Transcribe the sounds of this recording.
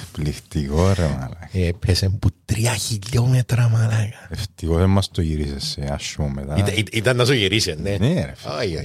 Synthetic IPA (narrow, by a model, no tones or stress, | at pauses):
plixt̪ikoɾema̰lɐkepʰesemput̪ɾiɐçiʎːomet̪ɾɐmɐlɐkɐ̥eft̪ikosemːɐst̪oʝiɾisesːeaʃːuomːet̪aɐit̪it̪ɐnːɐsoʝiɾisenːeneɾefojo